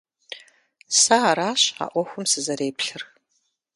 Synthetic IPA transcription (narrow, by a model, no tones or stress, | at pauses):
sɐaɾaːɕa̰ːʔʷɔxʷʊmsɨzɐɾeːpɬɨr